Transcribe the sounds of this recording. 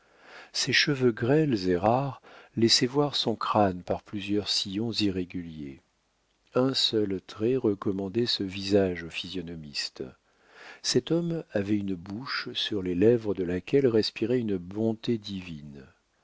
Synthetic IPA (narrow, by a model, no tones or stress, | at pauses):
sɛʃəvøɡʁɛlzeʁaʁlɛsɛvwaʁsɔ̃kχanpaʁplyzjœʁsijɔ̃ziʁeɡʲyljḛ | ɛ̃sœlt̪χɛʁəkɔmɑ̃d̪ɛsəvizaʒofizjɔnɔmist̪ | sɛt̪ɔmavɛynbuʃsyʁlelɛvʁəd̪əlakʲɛlʁɛspiʁɛynbɔ̃t̪ed̪ivin